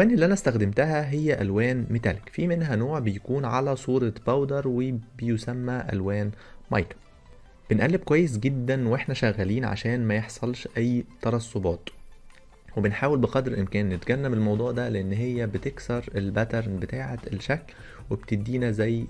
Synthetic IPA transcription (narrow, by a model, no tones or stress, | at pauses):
ʔælwæːnʔelːiʔænæst̪æxd̪emt̪æɦæɦejːæʔælwæːnmet̪ælekfimenɦænoːʕbejækuːnʕalæsˤuːɾˤɑbæwd̪ɑɾˤwebejosæmːæʔæ̰lwæːn | mɑjt̪ɑ̥ | b̥enʔælːeb̚kowæjːes̬ɡed̪ːænwʔeħnæʃæɣːæliːnʕa̰ʃæːnmæjeħsˤɑlʃʔæjːt̪ɑɾˤɑsˤːobɑːt̪ | webenħaːwelbeqɑd̪ɾʔɪmkæːnːet̪ɡænːæbelmɑwd̪ˤuːʕd̪æleʔenːɦejːæbet̪eksɑɾˤelbæt̪eɾˤnbet̪aːʕet̪elʃækl | webt̪ed̪ːiːnæzæjː